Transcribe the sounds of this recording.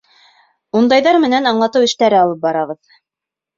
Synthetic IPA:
und̪ɑjðɑɾmɘ̆nænɑɴlˠɑt̪ɤwɘ̆ʃt̪æɾɘɑlˠɤp̚bɑɾɑʁɤð

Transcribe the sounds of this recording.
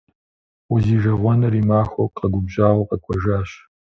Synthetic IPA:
uziːʒɐʁʷɔnɐrimaːxʷoqʼɐɡʷʊbʑaːʁʷɐqʼɐkʷʰɔʒaːɕ

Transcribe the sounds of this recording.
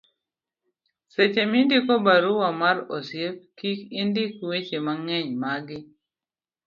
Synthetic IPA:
set͡ʃemindikobaɾuwamaɾosjep̚kikindɪkwet͡ʃemaŋɛɲmaɡɪ

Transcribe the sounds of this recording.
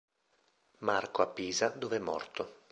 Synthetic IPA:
markoapːiːzad̪oveɛmːɔ̰rt̪o

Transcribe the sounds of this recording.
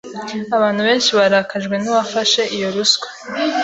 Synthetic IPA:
aβaːn̥huβe̞ːnʃiβaɾakʰaʒɡwe̞niβafaʃe̞ʔijo̞ɾusɡe̥

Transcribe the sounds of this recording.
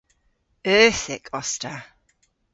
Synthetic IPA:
ɜˑθɪkʰɒstə

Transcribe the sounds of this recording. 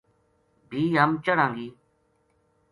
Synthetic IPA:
bʱiːɦəmt͡ʃəɽãːŋɡiː

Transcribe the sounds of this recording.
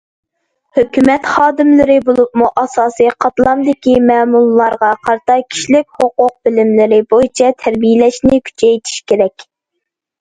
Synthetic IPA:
høkʲymɛt̪χɑːd̪ɪmlɨɾɪbolˠup̚muʔɑsɑːsɨqʰɑt̪lˠɑmd̪ɪkʲimɛːmullːˠɑɾʁɑqʰɑɾt̪ɑkʲʰi̥ʃlɪkʲhoqʊq̚bɪlɪmlɪɾɪbojit͡ʃʰɛt̪ʰæɾbijɪlɛʃnɪkʲʰy̥t͡ʃʰɛjt̪ʰi̥ʃkʲʰeɾɛkʲ

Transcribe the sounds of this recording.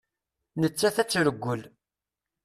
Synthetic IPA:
nət͡sːæθæt͡sːɾəɡʷːəl

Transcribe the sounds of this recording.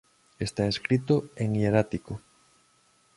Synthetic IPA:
est̪aeskɾit̪oeŋieɾat̪iko

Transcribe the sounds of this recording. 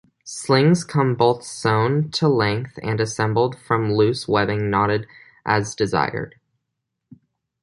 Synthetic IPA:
slɪ̃ŋz̥kʰʌ̃mboʊθsõʊ̃ntʰəlɛ̃ŋk̚θɨ̰̃nɨsɛ̃mbl̩ˠd̥fɹʌ̃mlʉswɛðɪ̃ŋnɑɾɨɾ | ʔɨzdɨza̰ɪə̰˞d̥

